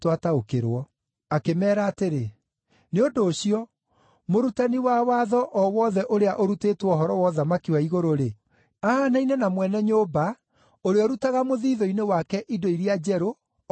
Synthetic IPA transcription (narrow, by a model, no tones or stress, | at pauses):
twataokeɾwɔ | akemɛːɾaːteɾe | neodoːɕiɔ | moɾutaniwawaðɔʔɔwɔðɛʔoɾeaʔoɾuteːtwɔɦɔɾɔwɔðamakiwaiɣoɾoɾe | aːnainɛnamwɛnɛɲoba | oɾeɔɾutaɣamoðiːðɔinewakɛʔidoiɾiad͡ʑɛɾo